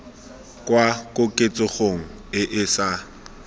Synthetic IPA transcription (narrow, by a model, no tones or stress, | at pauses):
kʼwakʼʊkʼet͡sʼɪχoŋ̩ | ɪʔɪsa